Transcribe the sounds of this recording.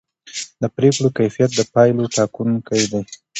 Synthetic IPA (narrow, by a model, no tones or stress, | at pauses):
d̪əpɾekɽokajfijat̪̚d̪əpɑjloʈɑkunkajd̪aj